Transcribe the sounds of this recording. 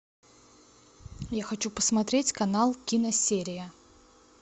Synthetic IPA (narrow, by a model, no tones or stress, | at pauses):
jaxɐt͡ɕupəsmɐt̪ɾʲetʲkɐnalˠkʲinəsʲeɾʲɪjə